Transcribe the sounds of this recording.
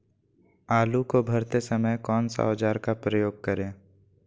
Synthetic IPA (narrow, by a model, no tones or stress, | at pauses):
aːlukobʱɐɾt̪esɐməjkɔːnsa̰od͡ʒaːɾkapɾəjoːɡ̚kəɾẽː